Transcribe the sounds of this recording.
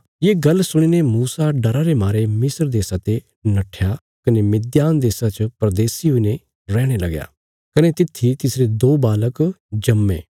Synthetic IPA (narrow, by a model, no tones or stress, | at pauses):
jeːɡɐlsʊɽ̃inemuːsaɖɐɾaɾemaːɾemɪsəɾd̪eːsat̪e | nɐʈʰja | kɐnemɪd̪jaːnd̪eːsat͡ʃəpɾɐd̪eːsiɦʊine | ɾɛːɽ̃elɐɡja̰ː | kɐnet̪ɪt̪ʰːit̪ɪsɾed̪oːbaːləkd͡ʒɐmːḛː